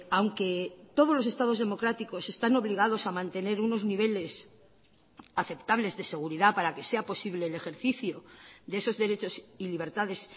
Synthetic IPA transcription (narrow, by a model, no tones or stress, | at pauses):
awŋke̞t̪o̞ð̞olos̬e̞st̪að̞o̞zðe̞mo̞kɾat̪iko̞se̞st̪ano̞βliɣ̞að̞o̞samãnt̪e̞ne̞ɾuno̞zniβ̞e̞le̞s | aθe̞pt̪aβle̞zðe̞se̞ɣ̞uɾiðapaɾake̞se̞apo̞siβle̞ːle̞xe̞ɾθiθjo̞d̪eeso̞zðe̞ɾe̞t͡ʃo̞siliβ̞e̞ɾt̪aðe̞s